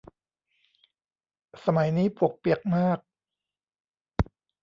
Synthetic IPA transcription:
sa˧ma˩˦jniː˦˥pu˨˩ək̚pi˨˩ək̚maː˥˩k̚

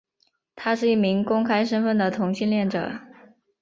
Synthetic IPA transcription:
t̪ʰa˥ʂɻ̩˥˧i˥˩mi˧˥ŋkʊ˥ŋkʰa˥ɪʂə˥nfə˥˩nd̪ə˩t̪ʰʊ˧˥ŋɕi˥˧nljɛ˥˩nʈ͡ʂɤ̰˨˩˦

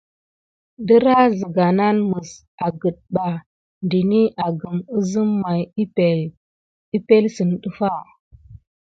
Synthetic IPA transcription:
də˦ɾa˦zə˨ɡa˨na˦nmə˨s | a˨ɡə˨ɗ̚ɓa˨ | ndi˨ni˦ʔa˨ɡə˨mə˦zə˦mːa˨jpe˨l | i˦pe˦lsə˨nɗə˦fa˦˨

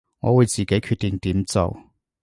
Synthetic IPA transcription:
ŋɔ̰ː˨˧wuː˨˧jt͡siː˨˩ke˨˥jkʰyː˧t̚t̪i˨ŋt̪iː˨˥mt͡so̰˨w

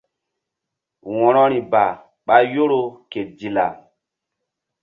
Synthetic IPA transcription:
wɔ̃˨ɾɔ˦ɾi˨ba˨ | ɓa˦jo˦ɾo˦ke˨t̚di˨la̰˨

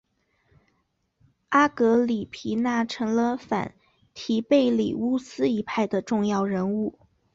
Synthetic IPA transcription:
a˥kɤ˧˥li˨˩pʰi˧˥na˥˩ʈ͡ʂʰɤ˧˥ŋlə˧fa̰˨˩˦n | t̪ʰi˧˥pe˥˩ɪlḭ˨˩u˥sɹ̩˥i˧˥pʰa˥˩ɪd̪ə˩ʈ͡ʂʊ˥˧ŋjɑ˥˩ʊɻə˧˥nu˥˩

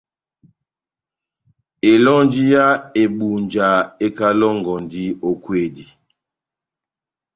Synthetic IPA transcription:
e˨lɔ˦nd͡ʒi˦ja˦e˨ɓu˨nd͡ʒa˨e˦ka˦lɔ˦ŋɡɔ˨ndi˦o˨kwe˦˨di˨

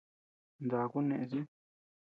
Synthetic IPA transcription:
nd̪a˨˧ku˦nẽ˧ʔẽ˧si˦

